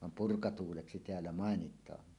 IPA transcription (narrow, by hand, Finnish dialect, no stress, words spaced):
ʋɑm purkɑtuːleksi teælːæ mɑˑenitˑɑː